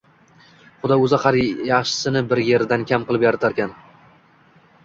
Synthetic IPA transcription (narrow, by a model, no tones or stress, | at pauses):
χʊd̪ɒɵzɪχaɾjɑχʃɪ̥sɪnɪbɪɾjeɾd̪ankʲʰamqɨlˠɪpjaɾat̪ʰaɾkʲan